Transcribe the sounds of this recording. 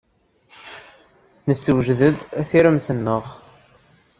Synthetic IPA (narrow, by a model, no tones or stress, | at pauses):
nəsːəwʒðəd̪æθiɾəmsənːəʁ